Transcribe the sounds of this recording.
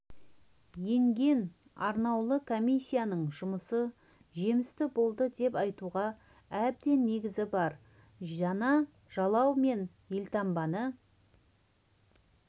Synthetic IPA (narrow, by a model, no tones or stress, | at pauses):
je̞ŋɡʲe̞n | ɑɾnɑwlˠəkʰomʲijsʲːijanəɴʒʊməsə | ʒe̞mɪst̪ɪbo̞lˠd̪əd̪e̞pɑjt̪uʁɑ | æb̚d̪e̞nːe̞ɡʲɪzɪbɑɾ | ʒɑnɑ | ʒ̥ɑlˠɑwme̞n | jelʲt̪ʰɑmbɑnə